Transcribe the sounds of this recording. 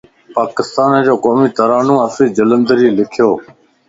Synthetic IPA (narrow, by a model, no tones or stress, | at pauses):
paːkɪst̪aːnd͡ʑoːkoːmiːt̪əɾaːnũːəsiːd͡ʒələ̃nd̪əɾiːlɪkʰjoː